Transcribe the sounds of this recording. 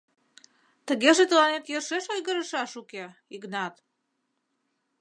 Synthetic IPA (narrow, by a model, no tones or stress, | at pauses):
t̪əɣeʒet̪əlɑnet̪jeʃeʃojɣəɾə̆ʃɑʃukeiɣnɑt̪